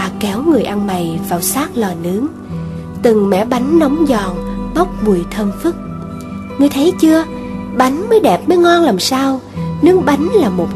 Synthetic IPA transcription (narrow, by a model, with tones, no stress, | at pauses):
a˨˩kɛ˨˦wŋɨ˨˩əjʔa˧nma˨˩jvaː˨˩wsaː˦˥k̚lɔː˨˩nɨ˨˦əŋ | t̪ɨ˨˩ŋmɛ̰˧˥ɓa˨˦jŋ̟nɔ˨˦wŋ͡mzɔ˨˩nɓə˦˥wk͡p̚mu˨˩əjt̪ʰə˧nfɨ˦˥k̚ | ŋɨ˨˩əjt̪ʰə˨˦jt͡ɕɨ˧ə | ɓa˨˦jŋ̟məː˨˦jɗɛ˨˩p̚məː˨˦jŋɔ˧nlaː˨˩msaː˧w | nɨ˨˦əŋɓa˨˦jŋ̟laː˨˩mo˨˩t̚